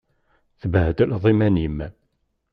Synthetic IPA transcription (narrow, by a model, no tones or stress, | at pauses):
θəbhəd̪əlðˤimænjəmːæ